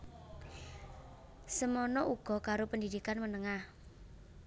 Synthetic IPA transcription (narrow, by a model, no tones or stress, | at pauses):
səmɔnɔʔuɡ̥ɔ̤kaɾopəndidikanmənəŋah